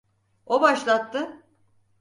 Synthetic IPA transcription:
obaʃlˠat̪ʰːɯ

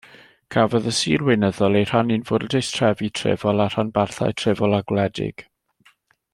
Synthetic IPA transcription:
kʰavɔðəsiːrwɪnəðɔlˠejr̥aninvʊrdɛjstʰr̥ɛvitʰrɪ̰vɔlˠar̥anbarθa̰jtʰr̥ɪvɔlˠaɡlɛdɪ̰ɡ̥

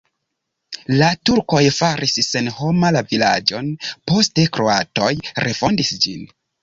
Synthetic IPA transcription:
latuɾko̞jfaɾʔisːe̞nho̞malavila̰d͡ʒo̞npo̞ste̞kɾo̞ato̞jɾʔefo̞ndisd͡ʒin

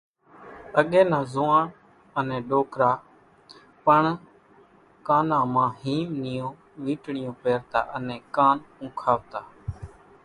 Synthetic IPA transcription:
əɠẽːnãːzoːaːɳ | ənẽːɗoːkɾaː | pəɳ | kaːnãːmãːhiːmnijõː | ʋiːʈɳɪjõːpeːɾt̪a̰ːʔənẽːkaːnũːkʰaːʋt̪aː

